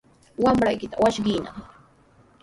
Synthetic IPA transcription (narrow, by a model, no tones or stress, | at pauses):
wamɾajkɪt̪awaʃɢɪnɑ̰